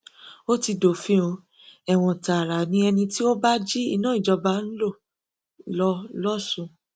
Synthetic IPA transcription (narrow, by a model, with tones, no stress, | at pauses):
o˦ti˧do˨fĩ˨˦o˧ | ɛ˨w̃ɔ̃˨ta˨ɾa˨nĩ˧ɛ˧nĩ˧ti˦o˦ba˦d͡ʒi˦i˦˧nã˦i˦˨d͡ʒɔ˧ba˧˦n̩˦lo˦˨ | lɔ˧lɔ˦sũ˧˨